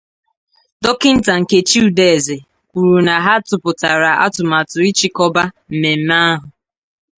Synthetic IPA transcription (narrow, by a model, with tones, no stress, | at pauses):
dɔ˦kɪ˦n̩˦ta˨ŋ̩˨ke˨t͡ʃi˦u˨de˨e˨ze˨ | kʷu˨ɾu˨na˨ɦa˦tʊ˨pʊ˨ta˨ɾa˨a̰˦tʊ˨ma˨tʊ˨i˦t͡ʃi˦kɔ˦ba˦m̩˨me˨m̩˦ma˦a˦ɦʊ˨